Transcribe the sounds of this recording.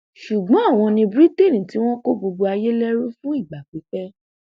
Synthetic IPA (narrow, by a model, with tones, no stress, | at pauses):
ʃu˨ɡ͡bɔ̃˨˦a˦˨w̃ɔ̃˧nĩ˧bɾi˦te˦˨nĩ˨ti˨˦w̃ɔ̃˦ko˦bo˧ɡ͡bo˧a˧je˦lɛ˦ɾu˦fũ˦i˦˨ɡ͡ba˨k͡pi˨˦fɛ˦